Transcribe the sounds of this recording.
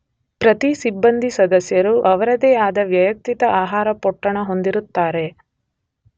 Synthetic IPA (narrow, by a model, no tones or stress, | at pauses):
pɾɐt̪isibːɐnd̪ʱisɐd̪ɐsjɐɾuʔɐʋɐɾɐd̪eːaːd̪ɐʋjɐjɐk̚t̪it̪ɐʔaːɦaːɾɐpɔʈːɐɳɐɦo̞nd̪iɾut̪ːaːɾe̞